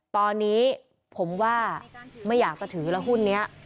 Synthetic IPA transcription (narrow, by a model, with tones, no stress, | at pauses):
t̪ɔː˧nːiː˦˥ | pʰo˩˦mwaː˥˩ma˥˩jːaː˨˩k̚t͡ɕa˨˩t̪ʰɯː˩˦lɛ˦˥wɦu˥˩nːi˦˥ɐʔ